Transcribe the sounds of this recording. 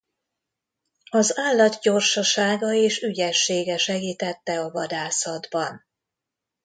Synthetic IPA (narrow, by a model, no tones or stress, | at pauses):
ɒzaːlːɒd̪ɟo̞rʃɒʃaːɡɒeːʃyɟɛʃːeːɡɛʃɛɡiːt̪ɛt̪ːɛɒvɒd̪aːsɒd̪bɒn